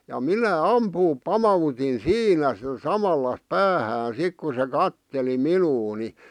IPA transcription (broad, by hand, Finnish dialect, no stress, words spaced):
jɑ minæ ɑmpuːp pɑmɑutin siːnæ sĭtæ sɑmɑlːɑ pæːhæːn sik ku se kɑtːeli minuː ni